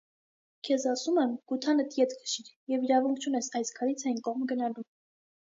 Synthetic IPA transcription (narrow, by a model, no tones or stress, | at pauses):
kʰɛzɑsumɛmɡ̥ut̪ʰɑnət̪jɛt̪ɡʰə̥ʃiɾjɛviɾɑvuŋkʰt͡ʃʰunɛsɑjskʰɑɾit͡sʰɑjnkɔʁmɡənɑlum